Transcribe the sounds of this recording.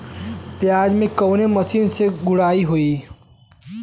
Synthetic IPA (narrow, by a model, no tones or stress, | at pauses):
pjaːd͡ʒmẽkɐːnemɐsiːnseɡʊɽaːiɦoi